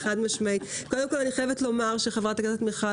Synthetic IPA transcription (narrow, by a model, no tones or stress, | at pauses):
χadmɪʃmeɪtkɔldəmkɔlˠanɪχɛvətlˠɔmaʁʃiχavʁataɡazɔtmɪχa